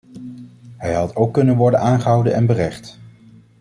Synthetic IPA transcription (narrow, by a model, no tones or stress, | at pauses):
ɦɛjɦɑtʰowkːɵnənʋɔɹdənaːnχəɦʌwdənɛnbərɛχt